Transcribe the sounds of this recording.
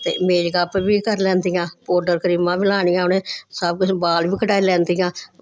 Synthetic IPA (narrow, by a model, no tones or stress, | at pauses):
t̪ḛːmeːd͡ʒɡaːpʋiːkəɾlɛ̃ːnd̪ijãːpoːɾɖəɾkəɾiːmãːbiːlaːɳiːãːnẽːsəbkʊt͡ʃʰbaːlʋiːkəʈaːiːlɛ̃ːnd̪iːjãː